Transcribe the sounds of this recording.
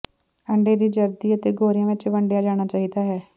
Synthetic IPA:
əɳɖeːd̪iːd͡ʒəɾd̪iːət̪eːɡoːɾɪjãːʋɪt͡ʃʋəɳɖjaːd͡ʒaːɽ̃aːt͡ʃaːɦiːd̪aːɦɛː

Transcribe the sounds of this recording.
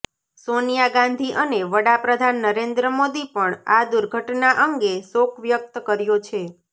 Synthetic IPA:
sonijaɡãnd̪ʱiʔəneʋəɽapɾəd̪ʱanːəɾend̪ɾəmod̪ipəɳad̪uɾɡʱəʈnaʔəŋɡesokʰʋjək̚t̪kəɾjot͡ʃʰe

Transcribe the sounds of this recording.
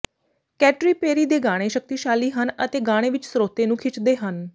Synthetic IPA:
kɛːʈɾiːpeːɾiːd̪eːɡaːɽ̃eːʃək̚t̪iːʃaːliːɦənət̪eːɡaːɽ̃eːʋɪt͡ʃsəɾoːt̪eːnũːkʰɪt͡ʃd̪eːɦən

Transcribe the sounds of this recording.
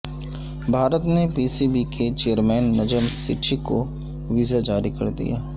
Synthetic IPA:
bʱaːɾət̪nepiːsibikʰet͡ʃeːəɾmɛːnːɐd͡ʒəmsɪʈʰiko | ʋɪzad͡ʒaːɾikɐ̰ɾd̪ḭja̰ː

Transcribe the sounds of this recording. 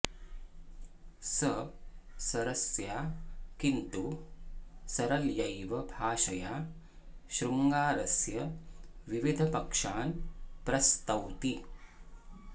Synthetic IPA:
səsɐɾɐsjakint̪u | sɐɾɐljɐjʋɐbʱaːʃɐja | ɕɾuŋɡaːɾɐsjɐʋiʋid̪ʱɐpɐkʂaːnpɾɐst̪ɐwt̪i

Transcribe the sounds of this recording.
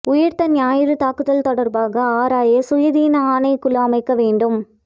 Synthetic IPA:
ʊjɐɾt̪ɐnjaːjɪɾɯt̪aːkɯðɐlt̪ɔɽɐɾbaːɣɐaːɾaːjɐsʊjɐðiːnɐaːnɐɪkʊlɐːɐmɐɪkːɐʋeːɳɖɯm

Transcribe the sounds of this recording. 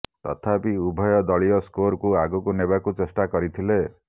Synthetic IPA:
t̪ɔ̰t̪ʰapiubʱɔjɔd̪ɔɭiɔskoɾkuaɡɔkunebakut͡ʃesʈakɔɾit̪ʰile

